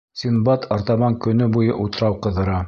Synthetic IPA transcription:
sʲinbɑt̪ʰɑɾt̪ɑmɑŋkɵ̆nɵbujɤʔut̪ɤ̆ɾɑwqɤ̆ðɤ̆ɾɑ

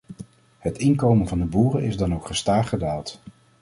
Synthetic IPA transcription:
hətɪnkowmənvɑndəbuːrənɪzdɑnowkχəstaːχədaːlˠt

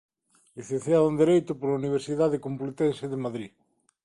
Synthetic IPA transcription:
liθen̟θjaðũnd̪eɾejt̪ʊpoɾauniβ̞eɾsiðaðekomplet̪enseðemaðɾi

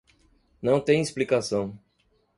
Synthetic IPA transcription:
nɐ̃w̃t̪ẽj̃isplikasɐ̃w̃

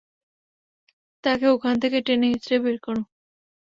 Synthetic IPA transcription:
t̪akeokʰant̪ʰekeʈeneɦit̪ːɾebeɾkɔɽũ

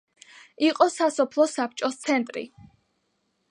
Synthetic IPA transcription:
iqʼɔsasɔpʰlˠɔsap̚ʰt͡ʃʼɔst̪sʰɛnt̪ʼɾḭ

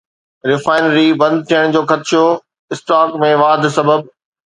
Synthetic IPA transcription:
ɾɪfaːɪnɾibɐ̃nd̪̚t̪ʰijəɽ̃d͡ʑoːxɐt̪ɪʃo | ɪsʈaːkmẽʋaːd̪ʱsɐbəb

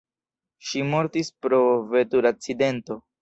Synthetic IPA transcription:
ʃimo̞ɾtispɾo̞ve̞tuɾak̚t͡side̞nto̞

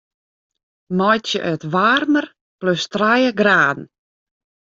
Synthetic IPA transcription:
mɔjtjəʔœtʋaːrmər | pløstrajəɡraːdn̩

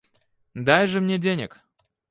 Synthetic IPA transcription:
d̪ajʐɨmnʲedʲenʲɪ̰k

